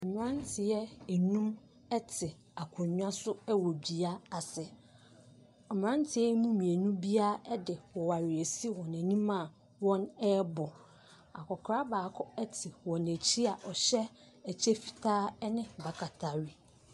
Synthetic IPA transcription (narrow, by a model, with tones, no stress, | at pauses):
m˦ã˦ntʰɪ˨jɛ˦ɛ˨nũ˦m | ɛ˦tʰɪ˨ | a˨kʰʊ̃˨ɲᶣ˦ã˦sʊ˦ɛ˦wɔ˨bi˨a˦a˨sɛ˨ | m̃˨ɾã˦ntʰɪ˨jɛ˦mũ˦mĩ˨e˨nũ˦bi˦a˦ɛ˦dɪ˨wɔ˨wa˨ɾɪ˨æ˨si˦wɔ̃˨næ̃˨nĩ˦mã˦˨ | wɔ̃˦nɛ˦bɔ˨ | a˨kʰɔ˨kʰɾa˦baː˨kʰɔ˦ɛ˦tʰɪ˨wɔ̃˨næ˨t͡ɕʰi˦a˨ʔɔ˨ɕɛ˦ | æ˨t͡ɕʰɛ˦fi̥˨tʰaː˦nɪ̃˦ba˨kʰa˨tʰa˨ɥi˦